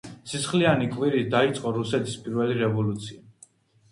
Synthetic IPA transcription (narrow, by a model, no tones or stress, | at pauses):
sisχlianikʼviɾid̪ait̪sʼqʼɔɾusɛt̪ʰi̥spʼiɾvɛliɾɛvɔlut̪sʰia